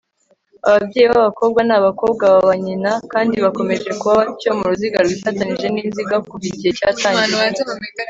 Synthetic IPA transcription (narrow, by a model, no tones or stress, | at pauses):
a̰βabɟe̞ːiβaβako̞ːb̚ɡanaβako̞ːb̚ɡaβaβaɲinakaːndiβako̞me̞ʒe̞kuβaβacoːmuɾuziɡaɾwifataniʒe̞niːnziɡakuβiɟiecaːtaːɲɟijee